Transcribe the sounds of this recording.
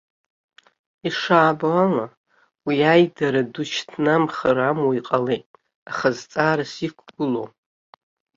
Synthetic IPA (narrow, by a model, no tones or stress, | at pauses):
iʂaːbaala | wiajdaɾadut͡ʃʰtʰnamχaɾamoiqʼale̞jtʼ | aχazt͡sʼaːɾasikʷʰɡ̥ʷʊlo̰w